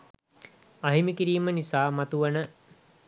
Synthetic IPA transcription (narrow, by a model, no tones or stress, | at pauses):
aɦimikiɾiːmənisaːmat̪uʋənə